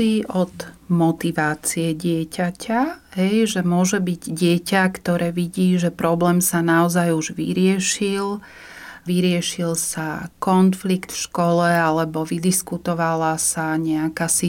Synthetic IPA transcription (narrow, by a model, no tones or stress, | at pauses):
iʔɔd̪mɔt̪iʋaːt͡siɛɟɪɛcacaɦɛjʒɛmʊɔʒɛbiɟɟɪɛcakt̪ɔɾɛːʋiɟiːʒɛpɾɔblɛːmsanaɔzajuʒʋḭɾɪɛʃil | ʋiɾɪɛʃilsakɔnflikt̪fʃkɔlɛalɛbɔʋid̪iskut̪ɔʋalasaɲɛakaːsi